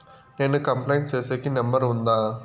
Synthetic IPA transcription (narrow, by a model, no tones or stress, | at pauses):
neːnɯkɐmplɐjɳʈt͡ʃeːseːkːinɐmbɐɾʊnd̪aː